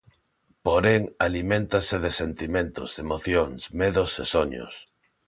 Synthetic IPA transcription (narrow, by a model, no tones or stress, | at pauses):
poɾeŋalimẽnt̪asɪðesent̪imẽnt̪ʊ̰semoθjoŋsmeðosesoɲo̰s